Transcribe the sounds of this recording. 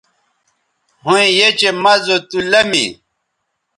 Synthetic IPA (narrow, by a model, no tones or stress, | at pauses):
hũĩjet͡ɕemɐzot̪ulɐmḭ